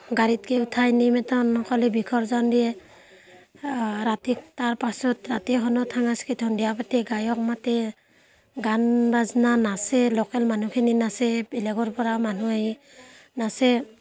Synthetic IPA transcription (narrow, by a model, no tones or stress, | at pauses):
ɡaɾit̚keutʰajnimɛtɔnɔkʰɔlɛbikʰɔɾzɔndijɛ | ɾatik̚taɹpasɔtɾatiɦɔnɔtʰaŋaskitʰɔndijapatɛɡajɔk̚matɛ | ɡanbaznanasɛlɔkɛlmanukʰininasɛbɛlɛɡɔɹpɔɾamanuai | nasɛ